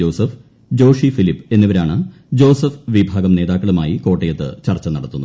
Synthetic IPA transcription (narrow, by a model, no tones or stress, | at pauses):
o̞ːsɐf | d͡ʑo̞ːʂifilipːe̞nːiʋɐɾaːɳɨ | d͡ʑo̞ːsɐfʋibʱaːɡɐmneːðaːkːɐɭuma̰ːjiko̞ːʈːɐjɐt̪ːɨ̰t͡ɕɐrt͡ɕːɐnɐɽɐt̪ːunːu